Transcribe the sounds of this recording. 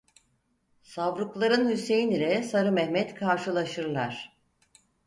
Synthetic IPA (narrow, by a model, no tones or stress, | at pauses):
savɾuklˠaɾɯnhyse̞jinilʲɛsaɾɯmɛhmɛt̪kʰaɾʃɯlˠaʃɯɾlˠaɾ̥